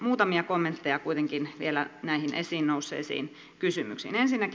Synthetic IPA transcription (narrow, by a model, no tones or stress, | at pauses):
muːt̪ɑmiɑkomːent̪ːejɑkuit̪eŋkinʋḭelænæihinʔḛsiːnnousːˑḛːsḭːn | kysymy̰ksḭːnensinːæki